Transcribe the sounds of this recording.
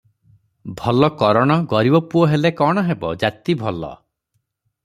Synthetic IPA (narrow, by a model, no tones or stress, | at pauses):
bʱɔlɔkɔɾɔɽ̃ɔɡɔɾibɔpuɔɦelekɔɽ̃ɔɦebɔ̰d͡ʒat̪ibʱɔlɔ̰